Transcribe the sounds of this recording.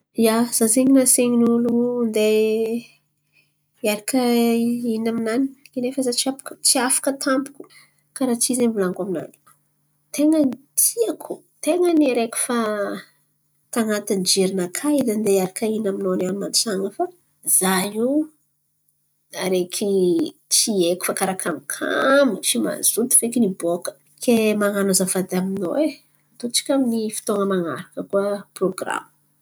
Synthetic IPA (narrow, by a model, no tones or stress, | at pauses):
jaz̥azeŋinaseŋinulund̪e | aɾakʰəinaminanikenefəzat͡siapkt͡siafḁkət̪ʰampu̥kʲu̥ | kaɾat͡ʃizenvulaŋɡamina̰ni̥ | t̪eŋənt̪ʰiakʰu | t̪eŋəniɾekʲi̥fa | t̪aŋat̪ind͡ʒeɾinakʰad̪and̪eaɾakainaminonanimant͡saŋəfa | z̥aji | aɾekʰit͡sieku̥fakaɾakʰamikʰa̰mit͡ʃima̰z̥ut̪i̥fekinibokə̥ | kʰemaŋanuzavad̪aminowe | t̪ut͡si̥kʲaminifi̥t̪oŋəmaŋa̰ɾakəkuəproɡra̰mə̥